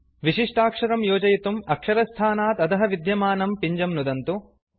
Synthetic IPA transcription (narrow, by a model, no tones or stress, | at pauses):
ʋiʂiʂʈaːkʂɐɾɐmjoːd͡ʒɐjt̪umɐkʂɐɾɐst̪ʰaːnaːt̪ɐt̪ɐɦɐʋid̪jɐmaːnɐmpiɲd͡ʒɐmnud̪ɐnt̪u